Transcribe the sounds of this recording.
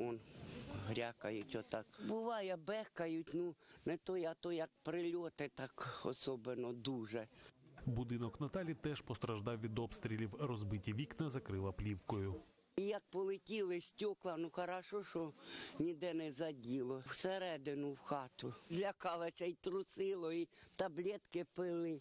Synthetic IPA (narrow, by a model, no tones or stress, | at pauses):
ɔnɦɾʲakɐjʊtʲɔt̪ɑkbʊʋɑjɛbɛhkɐjʊtʲnunɛt̪ɔjɐt̪ɔjɐk̚pɾɪlʲɔt̪ɪt̪ɑkɔ̰sɔbenɔd̪uʒɛbʊd̪ɪnɔknɐt̪ɑlʲit̪ɛʒpɔst̪ɾɐʒd̪ɑwʋʲid̪ɔpst̪ɾʲilʲiwrɔzbɪtʲiʋʲiknɐzɐkɾɪlˠɐplʲiwkɔjʊ | ijɐk̚pɔlˠɪtʲilˠɪsʲtʲɔklˠɐnuxɐɾɑʃɔʃɔnʲid̪ɛnɛzɐdʲilˠɔwseɾɛd̪ɪnʊwxɑt̪ʊzʲlʲɐkɑlˠɐsʲɐit̪ɾʊsɪlˠɔit̪ɐblʲɛt̪kɪpɪlˠɪ